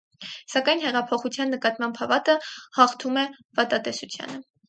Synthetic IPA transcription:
sɑkɑjnhɛʁɑpʰɔχut͡sʰjɑnːəkɑt̪mɑmbʰɑvɑt̪əhɑχt̪ʰumɛ | vɑt̪ɑt̪ɛsut͡sʰjɑ̰nə

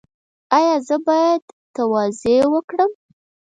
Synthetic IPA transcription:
ɑjɑzəbɑjad̪t̪awɑzewəkɽəm

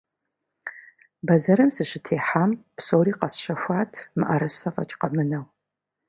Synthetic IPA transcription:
bɐzɐɾɐmsɨɕɪtʰeːħaːmpsoːɾiːqɐsɕɐxʷaːtʰmɨ̰ʔɐɾɨsɐfɐ̰t͡ʃʼqɐmɨnɐw

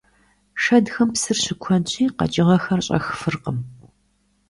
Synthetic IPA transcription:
ʂɐdxɐmpsɨrɕɪkʷʰɔnɕʼiːqɐ̰t͡ʃʼɪʁɐxɐrɕʼɐ̰xfɨrqəm

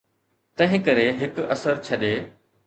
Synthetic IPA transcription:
t̪ɐ̃ɦɪ̃kɐɾeɦɪkɐsəɾt͡ɕʰɐɗeː

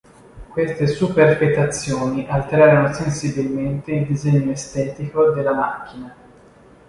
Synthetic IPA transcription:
kwest̪esuperpet̪at̪sːjoːniʔalt̪eɾaːɾonosensibilment̪eild̪izɛɲːoest̪ɛːt̪ikod̪elːamak̟ːina

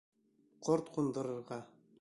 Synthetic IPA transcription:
qʰoɾt̪qund̪ɤ̆ɾɤ̆ɾʁɑ

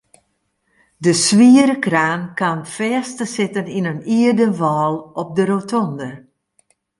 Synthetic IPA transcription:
dəsʋiəɾəkraːnkanfɛːstəsɪtəninəniərdəʋɔːlˠɔp̚dəɾotʰɔndər

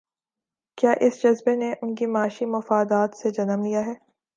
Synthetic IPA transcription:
kjaːʔɪsd͡ʒɐzbeneʔʊnkimaːʃimɐfaːd̪aːt̪sed͡ʒɐnəmlijaɦɛː

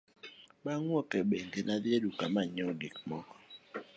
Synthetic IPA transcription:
ɓaŋwɔkɛɓeŋɡenadjedukamaɲɔɡikmɔkɔ̥

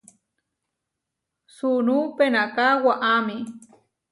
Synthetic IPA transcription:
sunupenakawaʔami

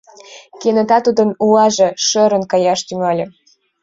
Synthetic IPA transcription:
kenə̆t̪ɑt̪ud̪ə̆nuɑʒĕʃə̆ɾə̆nkɑjɑʃt̪yŋɑlʲɤ̆

